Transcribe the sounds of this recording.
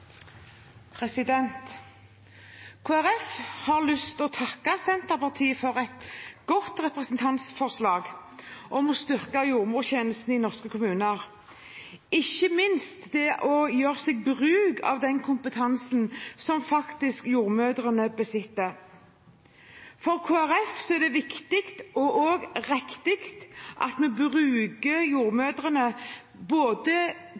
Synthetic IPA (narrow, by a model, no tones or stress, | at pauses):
pʰʁɛsɪd̪ɛnt̪ | kʰoːæɾɛfhɑːʁlʏst̪ɔt̪ʰɑkːɑsɛnt̪əʁpɑʁt̪ʰiːəfɔʁɛt̪ɡ̥ɔt̪ʁɛpʁɛsn̩t̪ʰɑnt̪sfɔʁslɑːɡʔɔmɔst̪ʏʁkɑjuːʁmuːçeːnəst̪n̩ɪnɔʁskəkʰʊmʉːnəəʁ | ɪçəmɪnst̪d̪ɛʔɔjøːʁsɛɡ̚bʁʉːɡɑ̰ʋd̪ɛnkʰʊmpət̪ʰɑnsnsɔmfɑkt̪ɪskjuːʁmøːd̪ʁənəbəsɪt̪ːə | fɔʁkʰoːæʁɛfsɔɛʁd̪ɛʋɪkt̪ɪkt̪ɔʔoːɡʁɛkt̪ɪkt̪ʔɑ̰t̪mɛbʁʉːɡəjuːʁmøːd̪ʁənə | boːd̪ə